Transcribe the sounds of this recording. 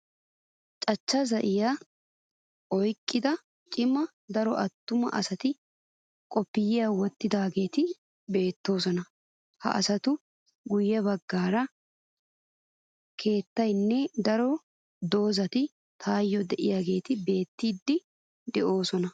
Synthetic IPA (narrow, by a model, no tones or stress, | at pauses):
t͡ʃʼɐt͡ʃːɐzɐʔɪja | ʔɔjkʼːɪd̪ɐ | t͡ʃʼɪmɐ | d̪ɐɾɔʔɐt̪ːʊmɐ̰ʔɐsɐt̪ɪ | kʼɔpːɪjɪjaːwɔt̪ːɪd̪aːɡe̞ːt̪ɪ | be̞ːt̪ːo̞ːsɔnɐ | hɐ̰ʔɐ̰sɐt̪ʊ | ɡʊjːɛbɐɡːaːɾɐ | kʰe̞ːt̪ːɐjnːɛd̪ɐɾɔ | d̪o̞ːzɐt̪ɪ | t̪ʰaːjːɔd̪ɛʔɪjaːɡe̞ːt̪ɪbe̞ːt̪ːiːd̪ːɪ | d̪ɛʔo̞ːsɔnɐ